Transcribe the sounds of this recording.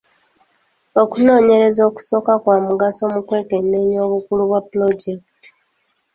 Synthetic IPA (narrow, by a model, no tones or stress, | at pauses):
o̞kuno̞ːɲe̞ɾe̞zo̞ːku̥so̞kakwaːmuɡaso̞mukwe̞ːke̞nːeɲo̞ːβukuluβwaplo̞ɟekti̥